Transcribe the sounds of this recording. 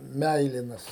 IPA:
ˈmʲæɪlʲɪnɐs

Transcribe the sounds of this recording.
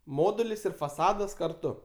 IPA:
ˈmoːdʊlʲɪs ɪr fɐˈsɑːdɐs kɐrˈtʊ

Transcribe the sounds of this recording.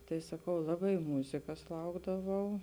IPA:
tɐɪ sɐˈkɐʊ ˈlˠɑːbɐɪ ˈmuːzʲɪkɐs ˈlˠɐʊɡdɐʋɐʊ

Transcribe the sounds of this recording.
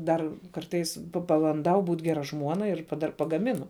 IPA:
ˈdɐr ˈkɐrtɐɪs pɐbɐnˈdɐʊ ˈbuːt ˈɡʲæːrɐ ˈʒmuɔnɐ ɪr dɐr pɐɡɐˈmʲɪnʊ

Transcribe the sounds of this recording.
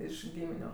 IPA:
ˈɪʃ ˈɡʲiːmʲɪnʲʊ

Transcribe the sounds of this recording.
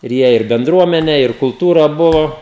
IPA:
ɪr ˈjiɛ ɪr bʲɛnˈdruɔmʲɛnʲæː ɪr kʊlˠˈtuːrɑː ˈbʊʋoː

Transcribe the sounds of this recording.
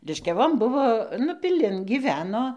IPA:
lʲɪʃʲkʲɛˈʋoːn ˈbʊʋoː nʊ pʲɪˈlʲɪn ɡʲiːˈʋʲæːnoː

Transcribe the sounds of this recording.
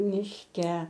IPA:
mʲɪʃʲˈkʲɛ

